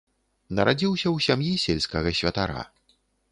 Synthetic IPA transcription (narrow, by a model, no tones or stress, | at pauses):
nɐɾad͡zʲiwsʲɐwsʲamjisʲelʲskɐɣɐsʲvʲɐt̪aɾa̰